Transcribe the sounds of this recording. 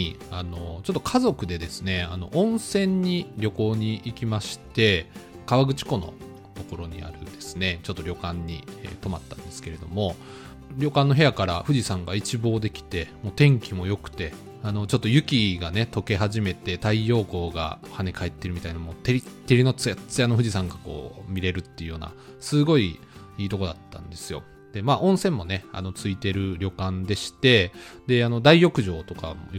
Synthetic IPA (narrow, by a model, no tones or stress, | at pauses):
ano̞t͡ɕo̞t̪ːokʰazo̞kɯ̟d̪e̞d̪e̞sɨne̞ano̞̰ʔõ̞ɰ̃sẽ̞ɲ̟ːiɾʲo̞ko̞ːɲ̟iʔikʲimaɕi̥t̪e̞ | kaβaɡɯ̟t͡ɕi̥ko̞no̞̰ | t̪o̞ko̞ɾo̞ɲ̟ḭa̰ɾɯ̟d̪̥e̞sɨ̥ne̞t͡ɕo̞t̪ːo̞ɾʲo̞kãɲ̟ːḭt̪o̞mat̪ːãnd̪e̞sɨ̥ke̞ɾe̞d̪o̞mo̞ | ɾʲo̞kãnːo̞ɦe̞jakaɾa̰ɸɯ̟ʑisãŋɡait͡ɕibo̞ːd̪e̞kʲi̥t̪e̞mo̞ːt̪ẽ̞ŋkʲimo̞jo̞kɯ̟̥t̪e̞ | ano̞t͡ɕo̞t̪ːo̞jɯ̟kʲiɡane̞t̪o̞ke̞ɦaʑime̞t̪e̞t̪aijo̞ːko̞ːɡa̰hane̞kae̞t̪ːe̞ɾɯ̟mʲit̪ainoamo̞t̪e̞ɾʲit̪ːe̞ɾʲino̞t͡sɨjat͡sɨjano̞ɸɯ̟ʑisãŋɡako̞̰ːmʲiɾe̞ɾɯ̟t̪ːeiɯ̟jo̞ːna̰ | sɨɡo̞i | iːt̪o̞ko̞d̪at̪ːã̰nd̪e̞sɨjo̞̰ | d̪̥e̞maːʔõɰ̃sẽ̞mːo̞ne̞a̰no̞t͡sɨit̪e̞ɾɯ̟ɾʲo̞kãnd̪e̞ɕi̥t̪e̞d̪e̞ano̞d̪aijo̞kɯ̟ʑo̞ːt̪o̞kamo̰